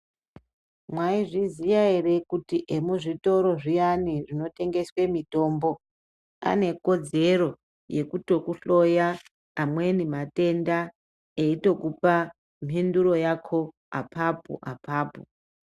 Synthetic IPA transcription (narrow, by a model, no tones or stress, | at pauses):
mwaiʐizijaere̞kutiʔemuʐito̞ɾo̞ʐijaniʐino̞te̞ŋɡe̞swe̞mito̞ːmbo̞ | a̰ne̞ko̞d͡ze̞ɾo | je̞kuto̞kuɬo̞jaː | mwe̞nimate̞nda | eito̞kupa | m̤induɾo̞jakʰo̞ | a̰pʰapṵʔapaːpṵ